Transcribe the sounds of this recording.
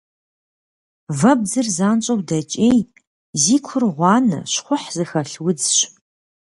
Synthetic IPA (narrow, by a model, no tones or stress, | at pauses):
vɐb̚d͡zɨrzaːnt͡ʃʼɐwdɐt͡ʃʼeːj | ziːkʷʰʊrʁʷɑːnɨ̰ɕχʷʊħzɨxɐɬwʊd͡zɕ